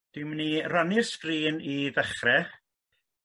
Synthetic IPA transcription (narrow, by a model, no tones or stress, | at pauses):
d̥ɪmniranɪrskriːniðəχrɛ